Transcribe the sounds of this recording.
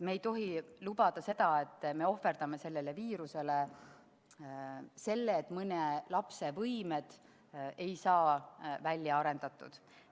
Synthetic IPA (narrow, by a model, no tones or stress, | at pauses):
meːjt̪o̞ɦilubɑd̪̥ɑse̞d̪̥ɑe̞t̪ˑːme̞o̞fe̞rd̪̥ɑme̞se̞lːele̞viːɾuse̞le | se̞lːeːt̪mɤnelɑpse̞vɤjmed̪̥ | e̞jsɑːvælʲːjɑɑɾe̞nd̪̥ɑt̪ˑːṵd̪̥